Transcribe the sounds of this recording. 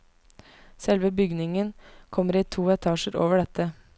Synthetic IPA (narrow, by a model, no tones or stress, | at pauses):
sɛlʋəbʏɡnɪŋənkʰɔmːəɾiːt̪ʰuːɛt̪ʰɑːʃəɾo̰ːʋəɖɛt̪ʰːə